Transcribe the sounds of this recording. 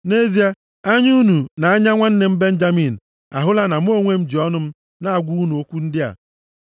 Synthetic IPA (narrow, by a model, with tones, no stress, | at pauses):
ne˦zi˦a˦ | a˦ɲ˦u˦nu˨na˨a˦ɲa˦ŋʷa˦n̩˦ne˦m̩˦be˦n̩˦d͡ʒa˦mi˨n̩˨ | a̰˨ɦʊ˦la˦na˨m̩˦o˦ŋʷe˦m̩˦d͡ʒi˨ɔ˦nʊ˦m̩˦ | na˦a˨ɡʷu˦u˦nu˨o˦kʷu˦n̩˦dɪ˦a̰˨